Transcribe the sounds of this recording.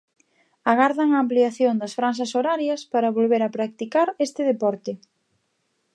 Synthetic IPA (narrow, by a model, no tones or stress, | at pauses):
aɣaɾðɐŋɐːmpliaθjoŋd̪ɐsfɾans̬ɐsoɾaɾjɐspaɾɐβolβeɾɐpɾak̚t̪ikaɾest̪ɪðepɔɾt̪ɪ